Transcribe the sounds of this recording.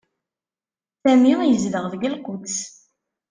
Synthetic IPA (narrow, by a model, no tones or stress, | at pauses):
sæmijəzləʁvəɡəlqʊt̪s